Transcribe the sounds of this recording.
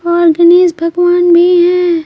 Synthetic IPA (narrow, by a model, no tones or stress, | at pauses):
ɔːɾɡɐneːzbʱɐɡʋaːnbʱiɦɛ̃ː